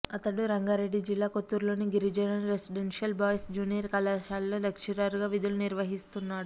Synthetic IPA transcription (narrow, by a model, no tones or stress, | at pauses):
ɐt̪ɐɽuɾɐŋɡaːɾe̞ɖːid͡ʒilːaːkot̪ːuːɾlo̞ːniɡiɾid͡ʒɐjnɐnɾesiɖenʂiɐlbaːjsd͡ʒuːnijɐɾkɐlaːʃaːlːoːlɐkʂɐɾaːɾuɡaːʋid̪uluniɾʋɐɦist̪unːaːɽu